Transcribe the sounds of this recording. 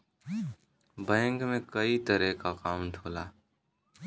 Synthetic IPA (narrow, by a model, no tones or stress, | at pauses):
bɛ̃ːŋkmẽkəit̪əɾɛkakaːmʈʰoːlaː